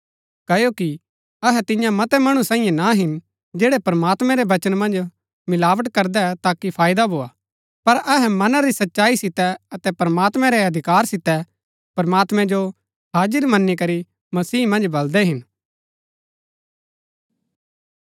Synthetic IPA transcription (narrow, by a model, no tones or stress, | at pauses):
kɐjoki | ɐɦɛt̪ɪ̃jãmɐt̪ɛmɐɽ̃usãːĩːjẽnaɦɪn | d͡ʒeːɽɛpɐɾəmaːt̪mɛ̃ɾɛʋɐt͡ʃənmɐ̃nd͡ʒ | mɪlaːʋəʈkɐɾd̪ɛt̪aːkipʰaːɪd̪abʱoːaː | pɐɾɐɦɛmɐnaɾisɐtːʃaːisɪt̪ɛɐt̪ɛpɐɾəmaːt̪mɛ̃ɾɛɐd̪ʱɪkaːɾsɪt̪ɛ | pɐɾmaːt̪mɛ̃d͡ʒo | ɦaːd͡ʒəɾmɐnːikɐɾi | mɐsiːmɐ̃nd͡ʒbɐld̪ɛɦɪn